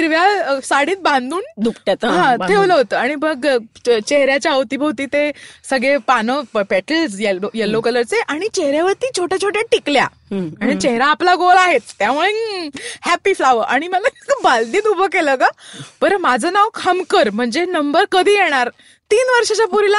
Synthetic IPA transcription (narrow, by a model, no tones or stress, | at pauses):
iɾʋjasaɽiːt̪̚bãnd̪uːnd̪upʈjat̪ɦãeʋləɦot̪əːaɽ̃ibəɡt͡ɕeɦɾjat͡ɕjaəʋt̪iːbʱowt̪iːt̪esəɡɭepanəpæʈəlsjejelːokələɾt͡seʔaɽ̃it͡ɕeɦɾjaʋəɾt̪iːt͡ɕʰoʈʰjat͡ɕʰoʈjaʈiklja̰ | aɽ̃it͡ɕeɦɾaːplaɡolaɦet̪ːjamuɭehæpiflaʋəʔaɽ̃iməlabald̪iːt̪ubʱəkeləkapəɾmad͡zʱənaʋkʰhəmkəɾm̤əɳd͡zenəmbəɾkəd̪ʱiːjeɽ̃aɾ | t̪iːnʋəɾʂat͡ɕapuɾila